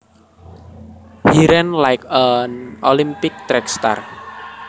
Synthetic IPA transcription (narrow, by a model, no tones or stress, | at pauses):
hiɾɛnlajkənolimpɪk̚t̪ɾɛkst̪a̰r